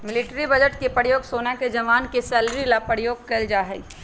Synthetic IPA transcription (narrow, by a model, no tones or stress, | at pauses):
mɪlɪʈɾibɐd͡ʒəʈkepəɽjoːɡsoːnaked͡ʒɐʋaːnkesɛːlɾilapəɽjoːɡ̚keːld͡ʒaːɦɛi